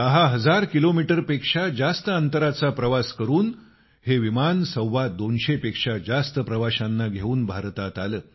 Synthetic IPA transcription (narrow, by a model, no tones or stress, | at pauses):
d̪əɦaɦəd͡zaɾkilomiʈəɾpekʂad͡zast̪əənt̪əɾat͡sapɾəʋaskəɾuːn | heʋimansəwʋad̪onɕepekʂad͡zast̪əpɾəʋaɕanːaɡʱeuːnbʱaɾt̪at̪aləː